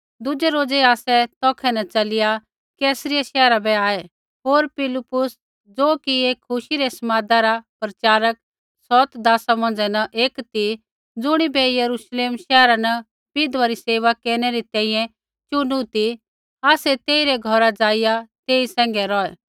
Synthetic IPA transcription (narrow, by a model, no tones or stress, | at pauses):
d̪ʊd͡ʒɛɾoːd͡zɛaːsɛt̪ɔːkʰɛnɐt͡ʃɐlɪja | kɛːsəɾɪjaʃɛːɾabɛaːɛ | ɦoːɾpɪlɪpʊs | d͡zoːkieːkʰːʊʃiɾɛsɐmaːd̪aɾapɾɐt͡ʃaːɾək̚ | sɔt̪d̪aːsamɐ̃nd͡zɛnɐʔeːkt̪i | d͡zʊɽ̃ibɛjɐɾuʃleːmʃɛːɾanɐ | pɪd̪ʋaɾiseːʋakeːɾñɛɾit̪ɛ̃ːĩjɛ̃ | t͡ʃʊnut̪i | aːsɛt̪eːiɾɛɡʱɔɾad͡zaːɪjat̪eːisɛ̃ːŋ̆ɡɛɾɔɛː